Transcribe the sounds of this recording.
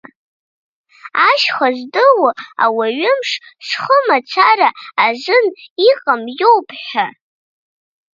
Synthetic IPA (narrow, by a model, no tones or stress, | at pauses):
aʃχazʷdɨwʊa̰waɥɪmʂʂχəmat͡ʃʷʰaɾaːzʷɨniqʼamjowpʰʼħa